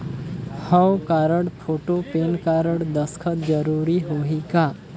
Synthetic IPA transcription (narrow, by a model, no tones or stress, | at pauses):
hə̃wkaːɾəɽpʰoːʈopeːnkaːɾəɽd̪əskʰət̪d͡ʒəɾuːɾiɦoɦikaː